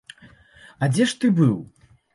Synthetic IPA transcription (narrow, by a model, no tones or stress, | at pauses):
ɐd͡zʲɛʂt̪ɨbɨw